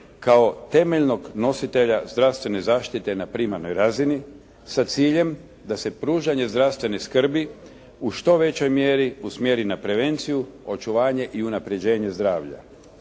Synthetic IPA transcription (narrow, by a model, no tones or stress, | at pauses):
kao̞t̪e̞meʎno̞ɡno̞sit̪e̞ʎazd̪ɾaʋst̪ʋe̞ne̞zaːʃt̪it̪e̞napɾimaɾnojɾazini | sat̪siːʎe̞m | d̪ase̞pɾuːʒaɲe̞zd̪ɾast̪ʋe̞neskr̩bi | uʃt̪o̞ʋe̞t͡ɕo̞jmjeɾiusmjeɾinapɾe̞ʋe̞nt̪sijuo̞t͡ʃuʋaːɲe̞ʔiunapɾe̞d͡ʑe̞ːɲe̞zd̪ɾaːʋʎa̰